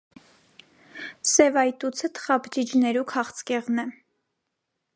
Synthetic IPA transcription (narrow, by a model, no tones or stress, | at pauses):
sɛvɑjt̪ut͡sʰət̪ʰə̥χɑpʰt͡ʃid͡ʒnɛɾukʰɑχt͡skɛʁnɛ